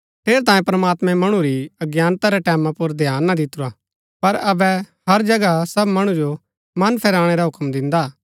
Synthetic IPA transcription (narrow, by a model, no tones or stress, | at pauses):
t̪ʰeːɾt̪ãːjẽpɾɐmaːt̪mɛ̃mɐɽ̃uɾiɐɡjaːnt̪aɾɛʈɛːmãpʊɾd̪ʱjaːnːad̪ɪt̪ːʊɾa | pɐɾɐbɛ | hɐɾd͡ʒɐɡasɐbmɐɽ̃ud͡ʒo | mɐnpʰɛːɾaːɽ̃eɾaɦʊkmd̪ɪ̃nd̪a